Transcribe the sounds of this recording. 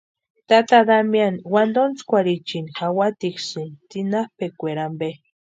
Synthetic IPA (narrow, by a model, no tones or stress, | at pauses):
t̪at̪ad̪amjanwand̪ont͡skʷaɾit͡ʃinxawat̪iksɨnt̪inapekʷeɾambe